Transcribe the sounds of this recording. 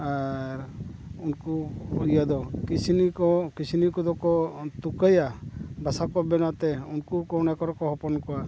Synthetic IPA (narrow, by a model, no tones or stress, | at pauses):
aɾunkuijad̪ɔkit͡ʃʰinikɔkit͡ʃʰinikɔd̪ɔkɔt̪ukajabasakɔbɛnat̪ɛunkukɔnakɔɾɔkɔɦɔpɔnkɔwa